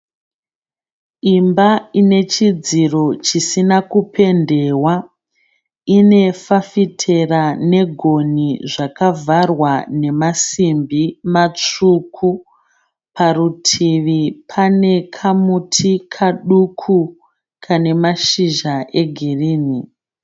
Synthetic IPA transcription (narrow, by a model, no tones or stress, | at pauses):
imbaine̞t͡ʃid͡ziro̞t͡ʃisinakupʰe̞nde̞wa | ine̞fafitʰe̞rane̞ɡʱo̞niʐakavʱarwane̞masimbimat͡ʂukʰu | pʰarutʰiʋipʰane̞kʰamutʰikʰaɗukʰu | kʰane̞maʃiʒaʔe̞ɡʱiriːni